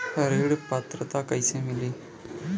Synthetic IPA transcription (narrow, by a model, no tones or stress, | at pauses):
hɐɾeːɽpat̪ɾət̪aːkɐjsẽmɪleː